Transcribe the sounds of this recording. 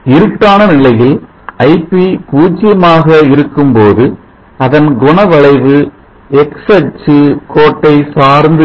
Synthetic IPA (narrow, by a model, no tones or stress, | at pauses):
ɪɾɯʈːaːnɐnɪlɐjɪl | ɐɪpːipuːt͡ʃːɪjɐmaːɣɐɪɾɯkːɯmpoːðɯ | ɐðɐnɡɔɳɐʋɐɭɐɪʋɯ | ɛksɐt͡ʃːɯkoːʈːɐɪsaːɾnd̪ɯ